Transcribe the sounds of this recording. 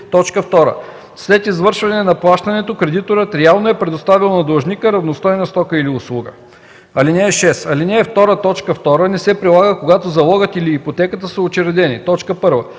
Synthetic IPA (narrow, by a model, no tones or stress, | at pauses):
t̪ɔt͡ʃkəft̪ɔɾə̰ | slɛt̪izvɤɾʃvɐnɛnɐplˠaʃt̪ɐnɛt̪okɾɛd̪it̪oɾət̪ɾɛalˠnoɛpɾɛd̪ost̪avilˠnɐd̪ɐlˠʒnikəɾɐvnost̪ɔjnɐst̪ɔkəiliʊslˠuɡə̰ | ɐlinɛːʃɛsɐlinɛːft̪ɔɾət̪ɔt͡ʃkəft̪ɔɾənɛsɛpɾilˠaɡəkoɡat̪ozɐlˠɔɡət̪iliːpot̪ɛkət̪əsəot͡ʃɛɾɛd̪ɛnḭt̪ɔt͡ʃkəpɤɾvə̰